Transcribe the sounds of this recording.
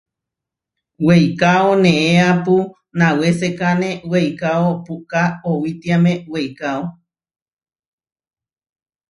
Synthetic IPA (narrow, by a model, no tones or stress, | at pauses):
wejkaonẽeapu | nãwesekanẽwejkaopukaowit̪iamẽwejkao